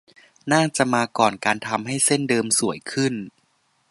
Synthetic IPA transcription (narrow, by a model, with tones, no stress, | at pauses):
naː˥˩ŋt͡ɕa˨˩ʔmaː˧kɔː˨˩nkaː˧nt̪ʰa˧mɦa˥˩jse˥˩ndɤː˧msu˨˩˦əjkʰɯ˥˩n